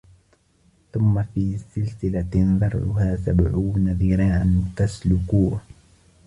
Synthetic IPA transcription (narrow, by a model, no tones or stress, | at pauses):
θʊmːafiːsɪlsɪlanðˤɑɾˤʕʊ̰haːsabʕuːnaðˤiːɾaʔant̪aslʊkuːh